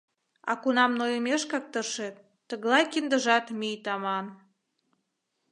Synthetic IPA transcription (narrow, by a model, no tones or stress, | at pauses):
ɑ̰kunɑmnojəmeʃkɑk̚t̪əʃet̪ːə̆ɣlɑjkind̪əʒɑt̪mijt̪ɑmɑn